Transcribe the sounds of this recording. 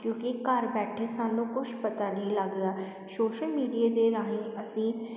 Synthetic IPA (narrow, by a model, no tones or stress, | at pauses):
kjõːkikəɾbɛːʈʰesaːnũːkʊt͡ʃʰpət̪aːnəɦĩləɡːəaː | soːʃəlmiːɖiaːd̪eɾaːɦĩːəsĩː